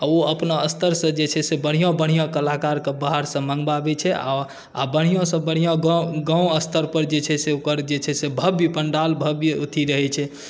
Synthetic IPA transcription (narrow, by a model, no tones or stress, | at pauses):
aoəpnaəst̪ʰəɾsə̃d͡ʒet͡ʃʰɛsebəɽ̤ijõbəɽ̤̃ijõkəlakaɾkebəɦaɾsə̃mə̃ŋɡbabɛt͡ʃʰɛa̰ | abəɽ̤̃ijõsə̃bəɽ̤ijõɡɡãũəst̪ʰəɾpəɾd͡ʒet͡ʃʰɛseokəɾd͡ʒet͡ʃʰɛsebʱəbipəɳɖalbʱəbut̪ʰiɾəɦɛt͡ʃʰɛ